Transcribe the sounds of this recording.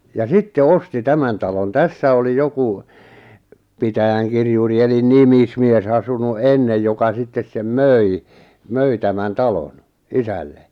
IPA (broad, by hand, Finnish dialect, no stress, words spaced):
jɑ sitːe osti tæmæn tɑlon tæsːæ oli joku pitæjæŋkirjuri elin nimismies ɑsunu ʔenːej jokɑ sitːes sem møi møi tæmæn tɑlon isælːe